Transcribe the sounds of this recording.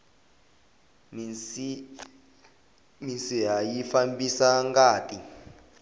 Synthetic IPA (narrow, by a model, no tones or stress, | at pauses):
minsiɦajifambisaŋɡaːtʼi